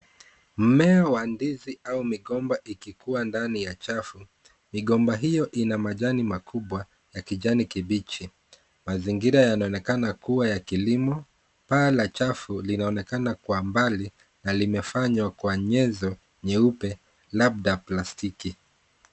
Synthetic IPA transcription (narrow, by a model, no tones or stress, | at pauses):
m̩mɛawandiziaumiɠɔmbaʔikikuandanijat͡ʃafu | miɠɔmbaɦijɔʔinamaʄanimakuɓwa | jakiʄanikiɓit͡ʃi | maziŋɡiɾajanaɔnɛkanakuwajakilimɔ | palat͡ʃafulinaɔnɛkanakwambali | nalimɛfaɲwakwaɲɛzɔ | ɲɛupɛ | labɗaplastiki